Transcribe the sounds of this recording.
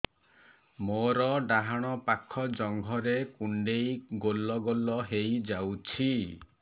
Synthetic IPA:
moɾɔɖaɦaɽ̃ɔpakʰɔd͡ʒɔŋɡʱɔɾekuɳɖejɡolːɔɡolɔɦejd͡ʒawt͡ʃʰi

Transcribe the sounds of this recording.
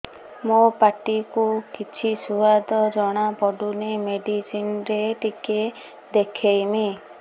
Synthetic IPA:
mopaʈikukit͡ʃʰisuad̪ɔd͡ʒɔɽ̃apɔɖunimeɖisinɾeʈike | d̪ekʰejmi

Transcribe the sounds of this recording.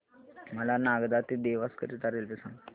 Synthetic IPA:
məlanaɡd̪at̪id̪eʋaskəɾit̪aɾelpisan

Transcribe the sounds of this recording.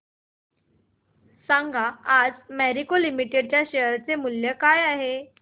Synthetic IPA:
saŋɡʱaad͡zmæɾikolimiʈeɽ̚t͡ɕjaɕejəɾt͡semuljəkajaɦe

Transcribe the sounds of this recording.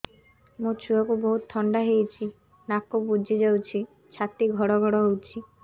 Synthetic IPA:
mũt͡ʃʰuɔkubɔɦut̪t̪ʰːɔɳɖaɦejt͡ʃʰi | nakːobud͡ʒʱid͡ʒawt͡ʃʰi | t͡ʃʰat̪iɡʱɔɽɔɡʱɔɽɔɦowt͡ʃʰi

